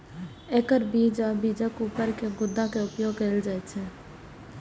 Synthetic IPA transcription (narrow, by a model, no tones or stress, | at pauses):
eːkəɾbiːd͡ʒabiːd͡ʒəkuːpəɾkeɡʊd̪ʱːãkeʊpjoːɡkeld͡ʒaet͡ʃɛː